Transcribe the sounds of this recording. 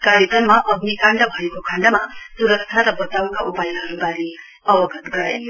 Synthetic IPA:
kaɾjekʌnmaʔʌɡnikaɳɖʌbʱʌjkokʰaɳɖʌmɐsuɾʌktʰaɾʌbɔt̪awkaʔupajɦʌɾubaɾi | ʌbʌɡʌt̪ɡʌɾa̰j

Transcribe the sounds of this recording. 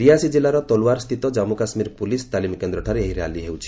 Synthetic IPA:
ɾiasid͡ʒilaɾɔt̪ɔlwaɾst̪ʰit̪ɔd͡ʒamukasmiɾpulist̪alimikend̪ɾɔʈʰaɾeeɦiɾea̰liɦewt͡ʃʰi̥

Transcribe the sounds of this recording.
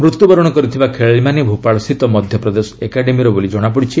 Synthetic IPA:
mɾut̪jubɔɾɔɽ̃ɔkɔɾit̪ʰibakʰeɭɭimanibʱupaɭɔsit̪ɔmɔd̪ʱjɔpɾɔd̪esɔ̥ekaɖemiɾɔbolid͡ʒɔɽ̃apɔɽit͡ʃʰi

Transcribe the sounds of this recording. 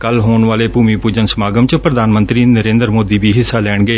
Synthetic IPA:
kəlɦoːɳʋaːleːpuːmiːpuːd͡ʒənsəmaːɡəmt͡ʃəpɾəd̪ʱaːnmə̃nt̪ɾiːnəɾẽːnd̪ɾmoːd̪iːbiːɦɪsːaːlɛːɳɡeː

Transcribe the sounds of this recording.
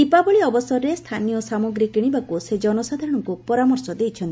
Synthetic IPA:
ipabɔɭiɔbɔsɔɾɔɾest̪ʰanijɔsamɔɡɾikiɽ̃ibakused͡ʒɔnɔsad̪ʱaɾɔɽ̃ɔŋkupɔɾamɔɾsɔd̪ejt͡ʃʰɔnt̪i

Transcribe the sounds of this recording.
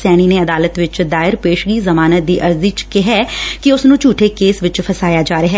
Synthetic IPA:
sɛːɽ̃iːneːəd̪aːlət̪ʋɪt͡ʃd̪aːɪɾpeːʃɡiːzəmaːnət̪̚d̪iːʔəɾziːt͡ʃkɪɦɛːkɪʊsnũːt͡ʃuːʈʰeːkeːsʋɪt͡ʃpʰəsaːjaːd͡ʒaːɾeɦɛː

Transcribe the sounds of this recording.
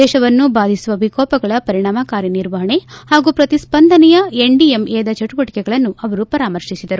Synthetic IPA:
ɛːʃɐʋɐnːubaːd̪ʱisuʋɐbʱikɔːpɐɡɐɭɐpɐɾiɳaːmɐkaːɾjɐniɾʋɐɦɐɳe̞haːɡuːpɾɐt̪ispɐnd̪ʱɐnɛjɐeɳɖiemɛːd̪ɐt͡ʃɐʈubɐʈikɛɡɐɭɐnːuʔɐʋɐɾupɐɾaːmɐɾʂisid̪ɐɾu

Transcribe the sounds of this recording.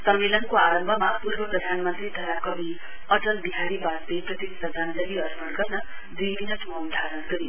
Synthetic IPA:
sʌmːelʌnkoaɾʌmbʱʌmapurbʌprʌd̪ʱanmʌnt̪rit̪ʌɦakʌbʱi | ʌʈʌlbiɦaɾibasb̪eprʌt̪issʌd͡zʱand͡zʌliʌrpʰʌɽɡʌɾnʌ | d͡zibinʌʈumaud̪ʱaɾʌnɡʌɾi

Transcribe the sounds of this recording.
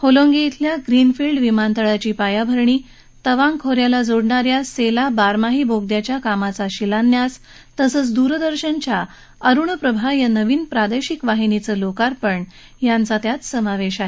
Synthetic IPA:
holõŋɡiːt̪ʰljaɡɾinfilɖʋimant̪əɭat͡ɕiːpajabʱəɾɳiː | t̪əʋãŋkʰoɾjalad͡zoɽɳaɾjaselabaɾmaɦiboɡd̪jat͡ɕjakamat͡saɕilanːjas | t̪əsəːt͡sd̪uɾd̪əɾɕənt͡ɕja | əɾuɳəpɾəbʱajanəʋiːnpɾad̪eɕikʋaɦinit͡səːlokaɾpəɳ | jant͡sat̪jat͡s̪səmaʋeɕaɦe

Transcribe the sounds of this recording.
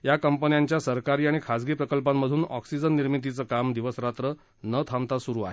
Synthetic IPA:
jakəmpənjaɲt͡ɕjasəɾkaɾiːaɽ̃ikʰad͡zɡiːpɾəkəlpamːəd̪ʱuːnɔ̰ksid͡zənːiɾmit̪it͡səkamd̪iʋəsɾat̪ɾə | nət̪ʰamt̪asuɾuːaɦe

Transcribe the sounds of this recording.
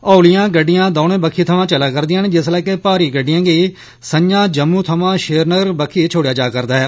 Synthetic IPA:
ɔːlɪjãːɡəɖːɪjãːd̪ɔːnẽːbəkʰːiːt̪ʰəʋãːt͡ʃəlaːkəɾd̪ɪjãːned͡ʒɪslɛːkepaːɾiːɡəɖːɪjãːɡiː | səɲd͡ʒãːd͡ʒəmːuːt̪ʰəʋãːʃeːɾnəɡəɾbəkʰːiːt͡ʃʰoːɽɪjaːd͡ʒaːkəɾd̪aːɦɛː

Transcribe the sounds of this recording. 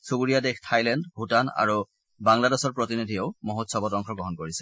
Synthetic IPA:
subuɹijadextʰajlɛndbʱutana̰ɹu | baŋladesɔɹpɹotinidʱioʊmoɦotsɔbɔtɔŋkʰɔɡɔɦɔnkoɹisɛ̥

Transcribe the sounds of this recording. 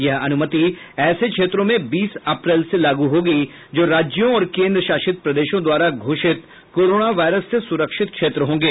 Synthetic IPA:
jɐɦɐnʊmət̪i | ɛːsekʃʰeːt̪ɾõmẽbiːsɐpɾɛːlselaːɡuɦoːɡi | d͡ʒoːɾaːd͡ʒjõɔːɾkẽːnd̪ɾəʃaːʃɪt̪̚pɾɐd̪eːʃõd̪waːɾaɡʱoːʃɪt̪ | koːɾoːnaʋaːɪɾəsːesʊɾəkʃɪt̪̚kʃeːt̪ɾəɦõːŋɡeː

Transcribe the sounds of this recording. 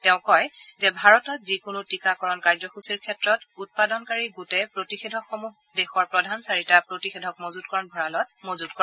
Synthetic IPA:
tɛʊ̃kɔjzɛbʱaɹɔtɔtzikʊnʊtikakɔɹɔnkaɹzɔxusiɹkʰɛtɹɔtut̚padɔnkaɹiɡutepɹotixedʱɔkxɔmuɦ | dɛxɔɹpɹɔdʱansaɹitapɹotixedʱɔk̚mozudkɔɹɔnbʱɔɹalɔt̚mozudkɔ

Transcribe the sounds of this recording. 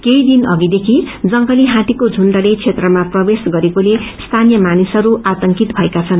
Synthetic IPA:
kejd̪inʌɡid̪ekʰid͡zʌŋɡʌliɦãt̪ikod͡zʱunɖʌɽet͡sʰet̪rʌmaprʌbesɡʌɾekolest̪ʰanjʌmanisʌɾuʔat̪ʌŋkit̪bʱʌekat͡sʰʌn

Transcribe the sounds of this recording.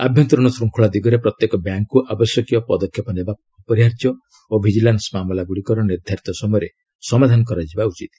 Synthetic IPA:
a̰bʱjɔnt̪ɾɔɽ̃ɔsɾuŋkʰuɭad̪iɡɔɾepɾɔt̪jekɔbjaŋkːuʔabɔsjɔkijɔpɔd̪ɔkʰːjɔpɔneba | upɔɾjaɾt̪jɔ | obʱid͡ʒilansmamɔlaɡuɽikɔɾɔniɾd̪ʱaɾit̪ɔsɔmɔjɔɾe | sɔmad̪ʱanɔkɔɾad͡ʒibaut͡ʃit̪

